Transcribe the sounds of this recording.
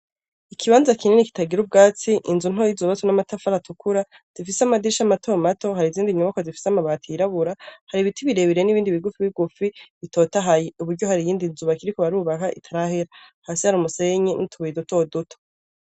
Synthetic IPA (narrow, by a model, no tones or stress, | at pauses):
ikʰiβaːnzakʰininiki̥taɡiɾub̚ɡaːt͡siʔinzun̥ojizuβatunamatafaɾatʰukuɾa | z̥ifisamadiɾʃamatʰo̞ːmato̞ɦaɾiziːndiɲuβakozifi̥samaβaːtʰiiɾaβuɾahaɾiβitiβiɾeβiɾeniβiːndiβiɡufiβiɡufiito̞taɦajeuβuɾɟohaɾijiːndinzuβakiɾikuβaɾuːβakaʔḭtʰaɾaheɾa | haːsihaɾumuse̞ɲenʔitʰuβuiduto̞ːduto̥